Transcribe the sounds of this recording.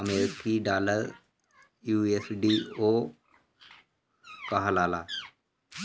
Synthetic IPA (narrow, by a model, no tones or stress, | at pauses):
əmeːɾɪkiɖaːləɾ | juːesɖiːo | kaɦalaːla